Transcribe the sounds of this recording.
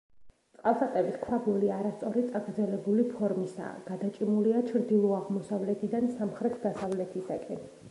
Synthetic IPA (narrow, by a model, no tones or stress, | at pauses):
t̪sʼqʼalˠsat̪ʼɛbiskʰwabuliaɾast̪sʼɔɾit̪sʼaɡɾd̪zɛlɛbulipʰɔɾmisa̰ɡ̥ad̪at͡ʃʼimuliat͡ʃʰɾd̪ilˠɔaʁmɔsavlɛt̪ʰid̪ansamχɾɛt̪ʰd̪asavlɛt̪ʰisakʼɛn